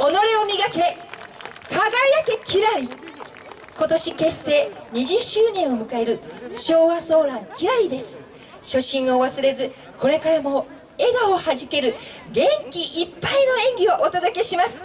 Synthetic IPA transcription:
o̞no̞ɾʲeomʲiɡake̞ | kʰaɡaijake̞kʲʰiɾaɾʲi | ko̞t̪o̞ɕike̞sːe̞ːɲ̟iʑɨɕːɨːnẽ̞ɰ̃o̞mɯ̟kae̞ɾɯ̟ɕo̞ːβaso̞ːɾãŋkʲiɾaɾʲid̪e̞sɨ̥ | ɕo̞ɕĩɰ̃oβasɨɾe̞zɨ | kʰo̞ɾe̞kaɾamo̞ | e̞ɡaohaʑike̞ɾɯ̟ɡẽ̞ŋkʲiʔipːaino̞ẽ̞ŋɡʲioʔot̪od̪oke̞ɕimasɨ̥

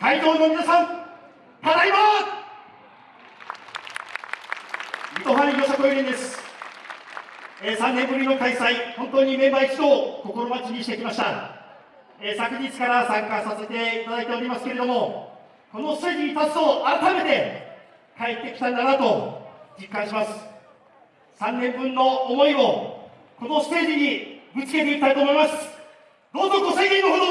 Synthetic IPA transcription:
kait̪o̞ːno̞mʲinasãŋ | t̪ad̪aiβa | mit̪oɸaɾjosakoiɾʲĩnd̪e̞sɨ̥ | eːsãnːẽ̞mbɯ̟ɾʲino̞kaisaihõ̞nt̪o̞ːɲ̟imẽ̞mbaisi̥t̪o̞ko̞koɾo̞mat͡ɕiɲ̟iɕi̥t̪ekʲimaɕi̥t̪a | eːsakɯ̟ɲit͡si̥kaɾasãŋkasase̞t̪e̞it̪ad̪ait̪e̞o̞ɾʲimasɨ̥ke̞ɾe̞d̪o̞mo̞ | ko̞no̞sɨ̥t̪e̞ːʑiɲ̟it̪asɨ̥oʔaɾat̪ame̞t̪e̞ | kaet̪ːe̞kʲi̥t̪ãnd̪anat̪o̞d͡ʑikːãɰ̃ɕimasɨ̥ | sãnːẽ̞mbɯ̟̃nːo̞ːmo̞io̞ | ko̞no̞sɨ̥t̪e̞ːʑiɲ̟iɡɯ̟t͡sɨ̥ke̞t̪e̞ikʲit̪ait̪oːmo̞imasɨ̥ | d̪̥o̞ːzoɡo̞seiɡʲenːoɦod̪o

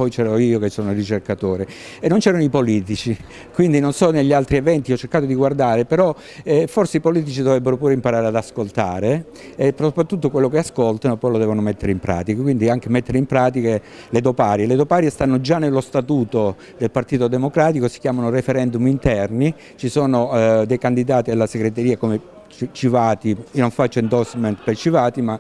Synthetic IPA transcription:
pɔjt͡ʃɛːɾoiːokesːoːnorit͡ʃerkat̪oːɾe | enːont͡ʃɛːɾanoipoliːt̪it͡ʃi | kwind̪inonsɔneʎːialt̪ɾievɛnt̪iɔt͡ʃːeɾkaːt̪od̪iɡward̪aːɾepeɾɔ | ɛforseipoliːt̪̬it͡ʃid̪ovɾɛbːeɾopuːɾeimpaɾaːɾead̪askolt̪aːɾeː | psopɾat̪ːut̪ːokwelːokeaskolt̪anopːɔjlod̪ɛːvonomet̪ːeɾeimpɾa̰ːt̪ikakwind̪iaŋk̟emet̪ːeɾeimpɾaːt̪̬ike | led̪opaːɾjeled̪opaːɾjest̪anːod͡ʒanːelːost̪at̪uːt̪o | d̪elpart̪iːt̪od̪emokɾaːt̪ikosi̥kʲjaːmanorefeɾɛnd̪umint̪ɛrni | t͡ʃisoːnod̪ejkand̪id̪aːt̪ialːaseɡɾet̪eɾiːakome | t͡ʃt͡ʃivaːt̪inoɱfat͡ʃːoind̪ɔsment̪pejt͡ʃivaːt̪ima

